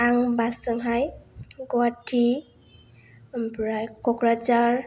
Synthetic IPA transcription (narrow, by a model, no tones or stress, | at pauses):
aŋbasɯŋɦajɡɔatʰi | pɹajkɔkɹat͡ʃaɹ